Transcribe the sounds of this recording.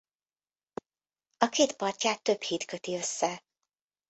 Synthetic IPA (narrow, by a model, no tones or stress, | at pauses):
ɒkeːt̪pɒrcaːt̪ːø̞phiːt̪køt̪iø̞sːɛ